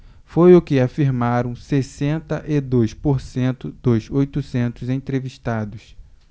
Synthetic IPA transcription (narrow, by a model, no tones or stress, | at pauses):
fojʊkɪafiɾmaɾɐ̃w̃sesẽnt̪ɐʔɪd̪ojspoɾsẽnt̪ʊd̪̥ʊzojt̪ʊsẽnt̪ʊzẽt̪ɾeviʃt̪ad̪ʊs